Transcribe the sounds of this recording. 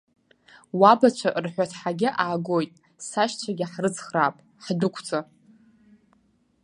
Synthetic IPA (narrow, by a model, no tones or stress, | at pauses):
wabat͡ʃʷʰaʔrħʷᶣatʰħaɡʲɪʔaːɡojtʼ | saʃt͡ʃʷʰaɡʲɪħrɨt͡sʰχraːpʼ | ħdʊkʷʰt͡sʼa